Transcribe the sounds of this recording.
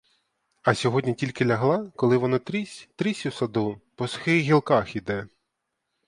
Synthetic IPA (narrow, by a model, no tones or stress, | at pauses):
ɐsʲɔɦɔdʲnʲitʲilʲkɪlʲɐɦlˠɑkɔlˠɪʋɔnɔt̪ɾʲisʲt̪ɾisʲusɐd̪upɔsxɪjɣʲilˠkɑxid̪ɛ